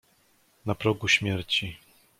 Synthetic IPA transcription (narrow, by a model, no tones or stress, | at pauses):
napɾɔɡuɕmʲjɛɾt͡ɕi